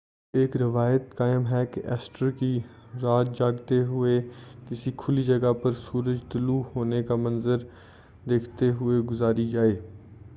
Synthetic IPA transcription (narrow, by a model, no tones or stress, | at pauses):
eːkɾɪʋaːjət̪kaːɪmɦɛkeʔɛːsʈəɾki | ɾaːt̪̚d͡ʒaːɡt̪eɦʊekɪsikʰʊlid͡ʒɐɡapɐɾsuːɾəd͡ʒt̪ʊluɦoːnekamɐnzəɾ | d̪eːkʰt̪eɦʊeɡʊzaːɾid͡ʒaːeː